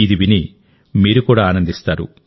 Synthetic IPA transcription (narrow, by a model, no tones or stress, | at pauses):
id̪iʋini | miːɾukuːɽaːaːnɐnd̪ist̪aːɾṵ